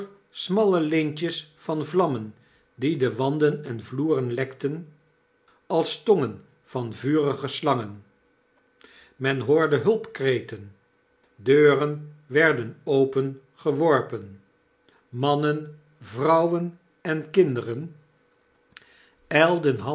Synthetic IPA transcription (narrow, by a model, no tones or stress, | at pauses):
smɑləlɪnt͡ʃəsfɑnvlɑmən | didəʋɑndənɛnvluːrənlɛktən | ɑlˠstoŋən | v̥ɑnvyːrəχəslɑŋən | mɛnɦoːɹdəɦɵlˠpkrejtən | døːrənʋɛɹdənowpən | χəʋɔɹpən | mɑnən | vrɑwən | ɛnkɪndərən | ɛlˠdənɦɑ